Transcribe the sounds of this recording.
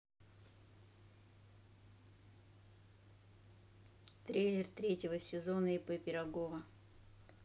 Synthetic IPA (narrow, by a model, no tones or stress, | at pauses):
t̪ɾʲejlʲɪrt̪ɾʲetʲɪvəsʲɪzo̞nəɪpɨpʲɪɾɐɡovə